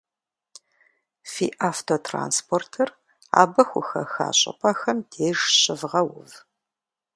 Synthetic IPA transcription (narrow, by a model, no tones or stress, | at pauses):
fḭːʔaːftʰoːtʰra̰ːnspʰoːrtʰɐr | a̰ːbɐxʷʊxɐ̰xa̰ːɕʼɐ̰pʼʰɐxɐmdʰeːʒɕɪvʁɐwʊv